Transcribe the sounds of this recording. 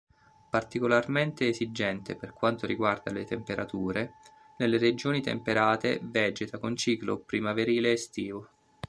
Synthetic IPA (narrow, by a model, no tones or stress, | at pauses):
part̪ikolarment̪eːzid͡ʒɛnt̪eperkwant̪oɾiɡward̪a̰let̪empeɾʔat̪uːɾe | nelːered͡ʒoːnit̪ḛmpeɾaːt̪ḛvɛːd͡ʒet̪akont͡ʃiːklo̰pɾimaveɾiːleːst̪iːvo